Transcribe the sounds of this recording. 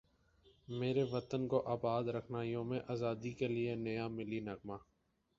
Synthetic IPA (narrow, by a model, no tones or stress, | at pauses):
meːɾeʋɐt̪ənkoʔaːbaːd̪ɾəkʰnaːjõmẽʔaːzaːd̪ikelienɐjamɪlinɐɡmaː